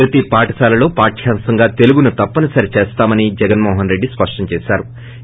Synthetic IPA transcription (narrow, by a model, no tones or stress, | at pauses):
ɾɐt̪ipaːʈɐsaːlɐlo̞ːpaːʈʃʰaːmsɐŋɡaːt̪e̞luɡunut̪ɐpːɐnɐsɐɾit͡ʃeːst̪aːmɐnid͡ʒɛɡɐnmɔːɦɐnɾe̞ɖːispɐʂʈɐɲt͡ʃɛːsaːɾu